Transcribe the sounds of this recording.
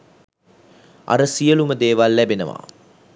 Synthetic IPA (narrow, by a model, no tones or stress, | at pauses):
a̰ɾəsijəluməd̪eːʋalːæbenəʋa̰